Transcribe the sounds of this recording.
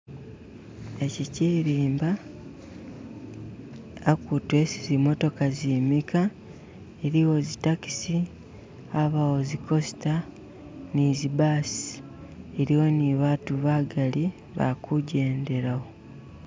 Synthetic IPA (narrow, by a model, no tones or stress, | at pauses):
e̞ciciɾiːmba | kutwe̞sizimo̞to̞kazimika | eɾiwo̞zitaki̥si | aβawozikʰo̞si̥ta | nizibaːsi̥ | eɾiwo̞niβatuβaɡali | βa̰kuɟe̞ːnde̞ɾawo̞